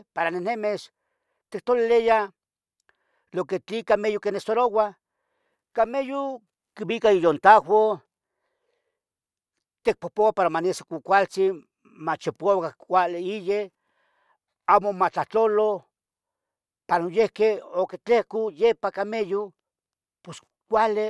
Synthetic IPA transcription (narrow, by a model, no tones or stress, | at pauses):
paɾanenemes | t̪ik̚t̪olileja | loket͡ɬikamejokenesoɾowa | kameju | kibikaijont̪awʷo | t̪ek̚popowapaɾamanesokʷukʷalt͡si | mat͡ʃepoaokakʷaleije | amomat͡ɬaht͡ɬolo | panojehkeoket͡ɬehkujepakameju | pos | kʷale